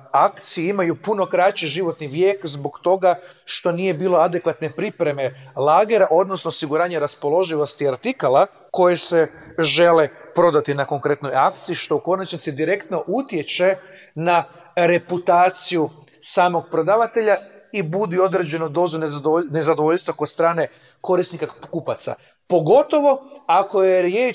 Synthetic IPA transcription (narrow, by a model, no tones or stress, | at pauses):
akt̪sijiimajupuno̞kɾat͡ʃiʒiʋo̞t̪niʋjeːkzbo̞ɡt̪o̞ɡaʃt̪o̞nije̞biːlˠo̞ad̪e̞kʋat̪ne̞pɾipɾe̞me̞lˠaːɡeɾaʔo̞d̪nosnoosiɡuɾaːɲeɾaspo̞lˠo̞ʒiʋo̞st̪iaɾt̪ikalˠa | ko̞jese̞ʒe̞le̞pɾo̞d̪at̪inako̞ŋkɾe̞t̪no̞jakt̪siiʃt̪o̞uko̞nat͡ʃnitsid̪iɾe̞kt̪no̞ʔut̪je̞t͡ʃe̞ | na | ɾe̞put̪aːt̪siju | saːmo̞ɡ̚pɾo̞d̪aːʋat̪e̞ʎaibud̪io̞d̪ɾe̞d͡ʑe̞nud̪o̞ːzunne̞zad̪oʋo̞ʎst̪ʋakod̪st̪ɾaːne̞ | ko̞ɾisnikakupat̪sa̰ | po̞ɡo̞t̪o̞ʋo̞ako̞jeɾjeː